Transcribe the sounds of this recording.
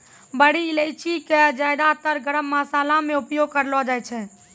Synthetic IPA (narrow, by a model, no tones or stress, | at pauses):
bəɽiləjt͡ʃʰiked͡ʒajd̪at̪əɾɡəɾəmːasalamẽupjoɡ̚kəɾlɔd͡ʒajt͡ʃʰɛ